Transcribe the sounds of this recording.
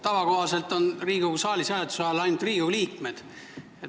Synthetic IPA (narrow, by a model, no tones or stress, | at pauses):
t̪ɑvɑko̞ɦɑse̞lt̪ˑo̞nriːɡ̥usɑːlʲisæːlet̪u̥sɑjelɑjnd̪̥riːɡ̥uliːkme̞d̪̥ | e